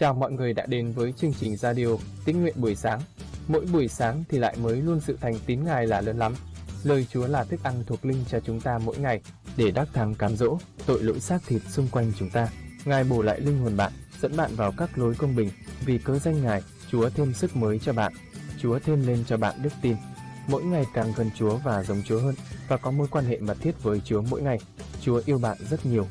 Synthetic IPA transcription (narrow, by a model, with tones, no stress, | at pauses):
t͡ɕaː˨˩wmɔ̰˧˨jŋɨ˨˩əjɗa̰ː˧˥ɗe˨˦nvəː˨˦jt͡ɕɨ˧əŋt͡ɕï˨˩ŋ̟zaː˧ɗi˧o˧t̪i˦˥ŋ̚ŋwḭ˧ənɓu˧˩əjsaː˨˦ŋ | mo̰˧˥jɓu˧˩əjsaː˨˦ŋt̪ʰi˨˩la̰ː˧˨jməː˨˦jlu˧ənsɨ̰˧˨t̪ʰa˨˩jŋ̟t̪i˨˦nŋaː˨˩jlaː˨˩ləː˨˦nla˨˦mləː˨˩jt͡ɕu˨˦əlaː˨˩t̪ʰɨ˦˥k̚ʔa˧nt̪ʰu˨˩ək̚lï˧ŋ̟t͡ɕɔ˧t͡ɕʊ˨˦ŋ͡mt̪aː˧mo̰˧˥jŋa˨˩jɗe˧˩ɗaː˦˥k̚t̪ʰaː˨˦mkaː˨˦mzo̰˧˥t̪o̰˧˨jlo̰˧˥jsaː˦˥k̚t̪ʰi˨˩t̚sʊ˧ŋ͡mkwa˧jŋ̟t͡ɕʊ˨˦ŋ͡mt̪aː˧ŋaː˨˩jɓo˧˩la̰ː˧˨jlï˧ŋ̟ho˨˩ənɓa̰ː˧˨nz̥ə̰˧˥nɓa̰ː˧˨nvaː˨˩wkaː˦˥k̚lo˨˦jkə˧wŋ͡mɓï˨˩ŋ̟vi˨˩kəː˧za˧jŋ̟ŋaː˨˩j | t͡ɕu˨˦ət̪ʰe˧msɨ˦˥k̚məː˨˦jt͡ɕɔ˧ɓa̰ː˧˨n | t͡ɕu˨˦ət̪ʰe˧mle˧nt͡ɕɔ˧ɓa̰ː˧˨nɗɨ˦˥k̚t̪i˧nmo̰˧˥jŋa˨˩jkaː˨˩ŋɣə˨˩nt͡ɕu˨˦əvaː˨˩zə˨˦wŋ͡mt͡ɕu˨˦əɦəː˧nvaː˨˩kɔ˨˦mo˧˦jkwaː˧nhḛ˧˨mə˨˩t̚t̪i˦˥ət̚vəː˨˦jt͡ɕu˨˦əmo̰˧˥jŋa˨˩j | t͡ɕu˨˦əʔi˧əwɓa̰ː˧˨nzə˦˥t̚ɲi˨˩əw